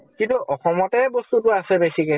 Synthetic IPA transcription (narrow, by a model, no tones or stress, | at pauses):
kĩntuʔɔxɔmɔtɛbɔstutʊasɛbesikɛ